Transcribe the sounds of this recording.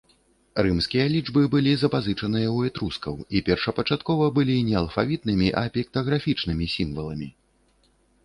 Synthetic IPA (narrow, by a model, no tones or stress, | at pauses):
ɾɨmskʲijɐlʲid͡ʐbɨbɨlʲizɐpazɨt͡ʂɐnɨjɐwɛt̪ɾuskɐ̰wipʲɛrʂɐpɐt͡ʂat̪kɔvɐbɨlʲinʲɛɐlˠfavʲit̪̚nɨmʲiʔɐpʲɛk̚t̪ɐɣɾafʲit͡ʂnɨmʲisʲimvɐlˠɐmʲi